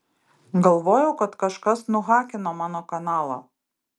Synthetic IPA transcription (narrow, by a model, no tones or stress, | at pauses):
ɡɐlˠʋoːjɛʊkɐt̪kɐʃkɐsnʊɣɑːkʲɪnoːmɑːnoːkɐnɑːlˠɐ̰